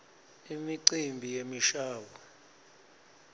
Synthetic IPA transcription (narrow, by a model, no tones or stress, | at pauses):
imiǀimbʱijemiʃaːwa